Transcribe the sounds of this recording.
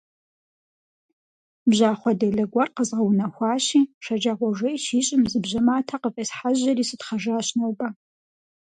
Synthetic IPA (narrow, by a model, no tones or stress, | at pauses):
bʑaːχʷɔdɐɮɐɡʷɐrqəzʁɐwnɐxʷɑːɕiːʃɐd͡ʒaʁʷɔʒʷejʃiːɕʼɪmzɨbʑɐmaːtʰaqəfʼeːsħaʑɐriːsɨtχɐʒaːɕnowbʼɐ